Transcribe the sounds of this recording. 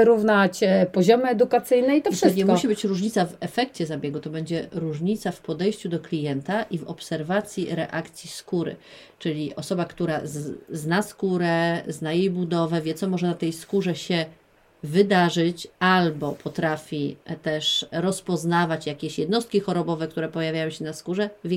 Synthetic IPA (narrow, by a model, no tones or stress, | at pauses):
ɾuvnat͡ɕpɔʑɔmɘɛd̪ukat̪sɘjnɛit̪ɔʂɘsɲɛmuɕibɘt͡ɕɾuʐɲit̪savɛfɛkt͡ɕɛzabʲjɛɡut̪ɔbɛɲd͡ʑɛɾuʐɲit̪safpɔd̪ɛjɕt͡ɕud̪ɔklʲijɛnt̪aʔivɔpsɛɾvat̪sʲjiɾɛ̰ʔakt̪sʲjiskuɾɘ̰ | t͡ʂɘlʲiʔɔsɔbakt̪uɾaznaskuɾɛznajejbud̪ɔvɛvʲjɛt̪sɔmɔʐɛnat̪ɛjskuʐɛɕɛ | vɘd̪aʐɘt͡ɕalbɔpʰɔt̪ɾafʲit̪ɛʂɾɔspɔznavat͡ɕjakʲeɕjɛd̪nɔst̪̚kʲixɔɾɔbɔvɛkt̪uɾɛpɔjavjajɔ̃ɕɛnaskuʐɛvʲ